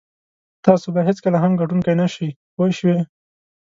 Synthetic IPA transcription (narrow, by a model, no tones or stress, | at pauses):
t̪ɑsobaɦɪt͡skəlaɦamɡaʈunkajnaʃi | pojʃwe